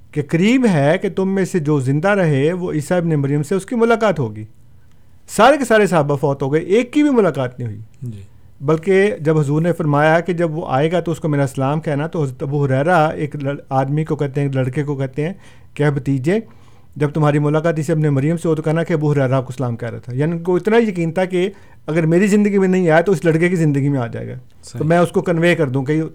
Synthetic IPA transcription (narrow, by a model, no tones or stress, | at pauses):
kekəɾiːbɦɛket̪ʊmːẽsed͡ʒoːzɪ̃nd̪aɾɐɦeʋoʔiːsaɪbnemɐɾijəmseʊskimʊlaːkaːt̪ɦoːɡiː | saːɾekesaːɾesaːbafɔːt̪ɦoːɡɐeʔeːkːibʱimʊlaːkaːt̪nɐɦĩɦʊḭ | bɐlked͡ʒɐbɦɐzuːɾnefɐɾmaːjaked͡ʒɐbʋoʔa̰ːeːɡat̪oʊskomeːɾasɐlaːmkɛɦnat̪oɦɐzɾət̪ɐbuɦʊɾɛːɾaeːklɐaːd̪mikokɛɦt̪ẽɦɛːklɐɽkekokɛɦt̪eɦɛ̃ː | kɛːbɐt̪iːd͡ʒẽ | d͡ʒɐb̚t̪ʊmɦaːɾimʊlaːkaːt̪̬jɪseɐbnemɐɾijəmseʋot̪okɛɦnakeɐbuɦʊɾɛːɾaaːp̚koɪsɐlaːmkɛːɾa̰t̪ʰajaːnikoɪt̪naijɐkiːnt̪ʰake | ɐɡəɾmeːɾizɪ̃nd̪əɡimẽnɐɦĩaːet̪oɪslɐɽkekizɪ̃nd̪əɡimẽaːd͡ʒa̰ːḛɡa̰ː | t̪omɛ̃ːʊskokɐnʋeːkɐɾd̪ũk̬ei